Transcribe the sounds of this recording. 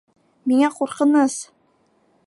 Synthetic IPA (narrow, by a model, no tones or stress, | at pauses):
miŋæquɾqɤ̆nɤs